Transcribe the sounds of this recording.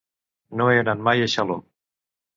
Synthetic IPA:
noenanmajeʃalo

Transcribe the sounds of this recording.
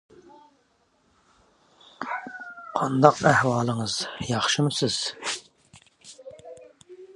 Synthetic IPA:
qʰɑnd̪ɑqæhwɑːlˠəŋəz̥jɑχʃɨmɨsɪz̥

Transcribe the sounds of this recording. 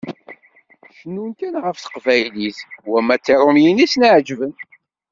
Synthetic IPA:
ʃənːunkænʁəfθə̥qvæjliθwæmːæt͡sːiɾˤʊmjinisnəʕd͡ʒvən

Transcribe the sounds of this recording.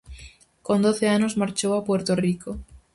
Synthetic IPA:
kond̪oθeanozmaɾt͡ʃowapweɾt̪oriko

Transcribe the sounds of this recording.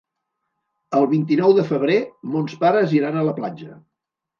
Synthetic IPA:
əlˠβint̪inɔwðəfəβ̞ɾemonspaɾəziɾanələplad͡ʒə

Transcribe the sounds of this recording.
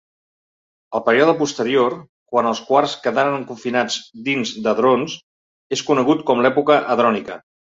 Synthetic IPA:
əlˠpəɾiɔð̞əpust̪əɾioɾ | kwanəlˠskwaɾskəðaɾənŋkuɱfinad͡zd̪inzd̪əðɾons | eskunəɣ̞ut̪kɔmlɛpukəʔəðɾɔnikə̰

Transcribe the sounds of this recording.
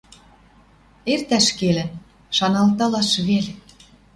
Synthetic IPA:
ert̪æʃkelɘ̆n | ʃɑnɑlt̪ɑlɑʃβele

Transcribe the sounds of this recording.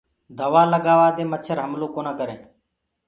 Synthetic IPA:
d̪əʋaːləɡaːʋaːd̪eːmət͡ʃʰəɾɦəmlõːkoːnaːkəɾḛ̃ː

